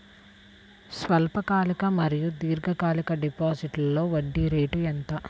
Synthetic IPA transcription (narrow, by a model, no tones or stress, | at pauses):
sʋɐlpɐkaːlikɐmɐɾijud̪iːɾɡɐkaːlikɐɖipaːd͡ʒiʈlɐlːo̞ːʋɐɖːiɾeːʈuent̪ɐ